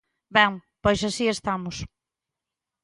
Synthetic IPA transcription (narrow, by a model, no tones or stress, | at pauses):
bɛŋpojsasiest̪amʊs